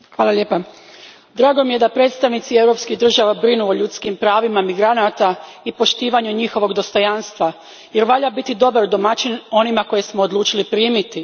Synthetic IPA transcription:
xʋaːlaʎeːpa | d̪ɾaːɡomije̞d̪apɾe̞ːt̪st̪aʋnit̪sie̞wɾo̞pskiɣd̪r̩ʒaʋabɾinuoʎut̪skimpɾaːʋimamiɡɾanat̪a | ipo̞ʃt̪iːʋaɲuɲixo̞ʋo̞ɡd̪o̞st̪o̞janst̪ʋa | je̞ɾʋaʎabit̪id̪o̞baɾd̪o̞mat͡ʃino̞nimako̞je̞smoːd̪lˠuːt͡ʃilipɾiːmit̪i

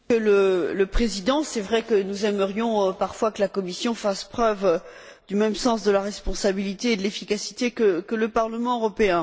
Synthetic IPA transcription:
kələləpχezid̪ɑ̃sɛvʁɛkənuzɛməʁjɔ̃paʁfwakəlakɔmisjɔ̃faspχœv | d̪ymɛmsɑ̃sd̪əlaʁɛspɔ̃sabilit̪eːd̪əlefikasi̥t̪ekəkələpaʁləmɑ̃øʁɔpeɛ̃

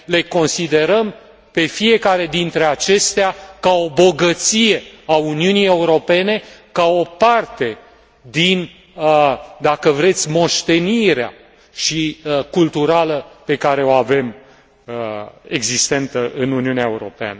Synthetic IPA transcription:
le̞ko̞nsid̪e̞ɾəm | pe̞fije̞kaɾe̞d̪int̪ɾe̞at͡ʃe̞st̪eakao̞bo̞ɡət̪sije̞auniunije̞uɾo̞pe̞ne̞kao̞part̪e̞ | d̪in | d̪akəvɾe̞t̪sʲmo̞ʃt̪e̞niɾea̰ | ʃikult̪uɾaləpe̞kaɾe̞o̞ave̞m | e̞ɡzist̪e̞nt̪səʔɨnuniuneaeuɾo̞̰pea̰nə

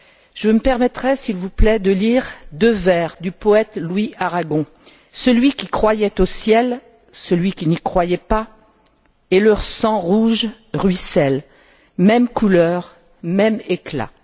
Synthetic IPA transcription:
ʒ̥əməpɛʁmɛt̪χɛsilvuplɛd̪əliʁd̪øvɛʁd̪ypɔɛt̪lwiaʁaɡɔ̃ | səlɥikʲikχwajɛt̪osjɛl | səlɥikʲinikχwajɛpa | elœʁsɑ̃ʁuʒ | ʁɥisɛl | mɛmkulœʁ | mɛmekla̰

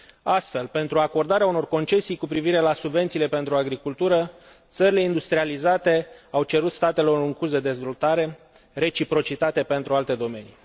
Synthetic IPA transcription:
ast̪fe̞lpe̞nt̪ɾuako̞rd̪aɾeauno̞rko̞nt͡ʃe̞sijkupɾiviɾe̞lasubve̞nt̪siːle̞pe̞nt̪ɾuaɡɾikult̪uɾə | t̪səɾile̞ind̪ust̪ɾializat̪e̞awt͡ʃe̞ɾut̪st̪at̪e̞lo̞ɾɨŋkuzd̪e̞d̪e̞zvo̞lt̪aɾe̞ | ɾe̞t͡ʃipɾo̞t͡ʃit̪at̪e̞pe̞nt̪ɾualt̪e̞d̪o̞me̞nḭ

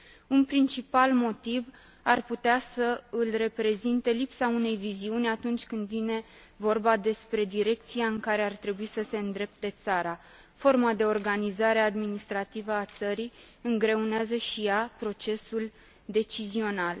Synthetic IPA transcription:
unpɾint͡ʃipalmo̞t̪iv | arput̪easəɨlre̞pɾe̞zint̪e̞lipsaune̞jviziunʲat̪unt͡ʃʲkɨnd̪vine̞ | vo̞rbad̪e̞spɾe̞d̪iɾe̞k̚t̪sijaɨŋkaɾe̞art̪ɾe̞buisəse̞ɨnd̪ɾe̞p̚t̪e̞t̪saɾa | fo̞rmad̪e̞o̞rɡanizaɾe̞ad̪minist̪ɾat̪ivəat̪səɾij | ɨŋɡɾe̞uneazəʃijapɾo̞t͡ʃe̞sul | d̪e̞t͡ʃizio̞nal

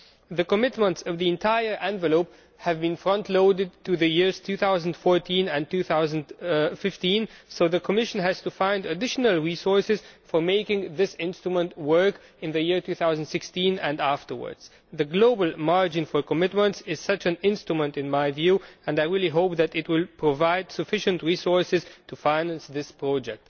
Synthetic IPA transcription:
ðɨkəmɪtmə̃ntsʌvðiɨ̃ntʰaɪə˞ʔɛ̃ɱvɨloʊp | hɨvbɨ̃nfɹʌ̃ntʰloʊdɨd̚tʰɨðɨjɪɹz̥tʰʉθaʊz̃n̩d̥fɔɹtʰĩnɨ̃ntʉθaʊzə̃ndfɪftĩnsoʊðɨkʰəmɪʃɨ̃n̩ɨz̥tɨfãɪ̃ndɨdɪʃn̩əl̩ˠɹisɔɹsɨz̥fə˞meɪkɪ̃ŋðɪsɪ̃nstɹ̥əmə̃ntwɜ˞k | ɨ̃nðɨjɪɹtʰʉːθaʊzn̩dsɪkstĩnɨ̃ndæftə˞wə̰˞dz̥ | ðɨɡloʊbəl̩ˠmɑɹd͡ʒɨ̃nfə˞kəmɪtmə̃ntsɪz̥sʌt͡ʃɨ̃nɪ̃nstɹ̥ɨmə̃ntɨ̃nmaɪvjʉɨ̃naɪɹilˠiɦoʊp̚ðɨɾɪt̚wɪlˠpʰɹ̥əvaɪd̥sɨfɪʃɨ̃ntɹisɔɹsɨz̥tʰufãɪnæ̃nsðɪspʰɹ̥ɔd͡ʒɛk̚t̚

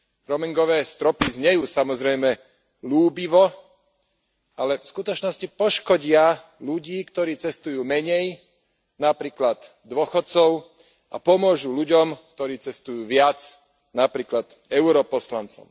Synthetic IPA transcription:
ɾɔmiŋɡɔʋɛːst̪ɾɔpizɲɛjuːsamɔzɾɛjmɛ | luːbiʋɔ | alɛfskut̪ɔt͡ʃnɔscipɔʃkɔɟɪa | luɟiːkt̪ɔɾiːt͡sɛst̪ujuːmɛɲɛj | napɾiːklad̪ | d̪ʋɔxɔt̪t͡sɔʊ | ʔa̰pɔmʊɔʒuːluɟɔmk̚t̪ɔɾiːt͡sɛst̪ujuːʋɪat͡s | napɾiːklad̪̥ | ɛʊɾɔpɔslant͡sɔ̰m

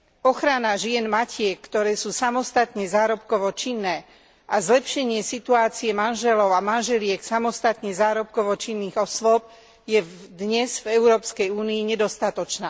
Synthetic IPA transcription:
ɔxɾanaʒɪɛnmacɪɛkːt̪ɔɾɛːsuːsamɔst̪at̪ɲɛzaːɾɔpkɔʋɔt͡ʃinːɛː | ʔazlɛpʃɛɲɪɛsit̪uaːt͡siɛmanʒɛlɔʊamanʒɛlɪɛksamɔst̪at̪ɲɛzaːɾɔp̚kɔʋɔt͡ʃinːiːɣɔsʋʊɔp̚ | jɛd̪ɲɛzvɛʊɾɔːpskɛjuːniiɲɛd̪ɔst̪at̪ɔt͡ʃnaː

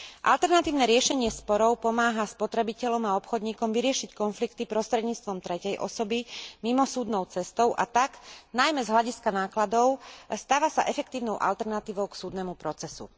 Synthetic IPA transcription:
ʔa̰lt̪ɛɾnat̪iːʊnɛɾɪɛʃɛɲɪɛspɔɾɔʊpɔmaːɦaspɔt̪ɾɛbicɛʎɔmaɔpxɔd̪ɲiːkɔmʋiɾɪɛʃickɔnflikt̪ipɾɔst̪ɾɛd̪ɲiːt͡st̪ʋɔmt̪ɾɛcɛjʔɔ̰sɔbimimɔsuːd̪nɔʊt͡sɛst̪ɔʊʔa̰t̪aknajmɛzɦlaɟiskanaːklad̪ɔʊst̪aːʋasa̰ʔɛfɛkt̪iːʊnɔʊʔa̰lt̪ɛɾnat̪iːʋɔʊksuːd̪nɛmupɾɔt͡sɛsṵ

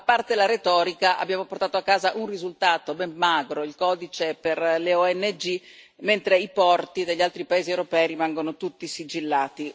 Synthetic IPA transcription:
apart̪elaɾet̪ɔːɾikaʔa̰bːjaːmoport̪aːt̪oakːaːzaʔunrizult̪aːt̪obɛmːaːɡɾoilkɔːd̪it͡ʃeperleɔɛnːed͡ʒi | ment̪ɾeipɔrt̪id̪eʎːalt̪ɾipaeːziewɾopɛːiɾimaŋɡonot̪ut̪ːisid͡ʒilːaːt̪i

